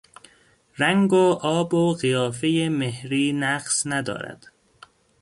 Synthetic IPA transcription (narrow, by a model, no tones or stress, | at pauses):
ɾæŋɡoʔɒːboɢijɒːfe̞jemehɾiːnæɢsnæd̪ɒ̰ːɾæ̰d̪̥